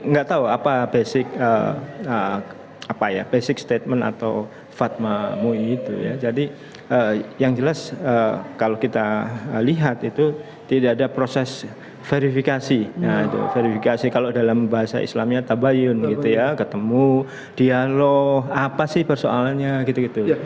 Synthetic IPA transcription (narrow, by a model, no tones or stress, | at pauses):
ŋɡaʔt̪auapabesɪk̚əə | apaja̰besɪk̚st̪et̪̚məna̰t̪a̰w | fat̪̚mamuit̪ṵja̰d͡ʒadi | əjaŋd͡ʒəlasəkalokit̪aəliɦat̪it̪u | t̪idaʔːdapɾosɛs | feɾifikasijait̪ṵfeɾifikasikalodalambaɦasa̰ḭslamɲat̪abajʊnɡiujakət̪əmu | d̥ialohapasɪhpərsoʔa̰lanɲaɡit̪uɡit̪u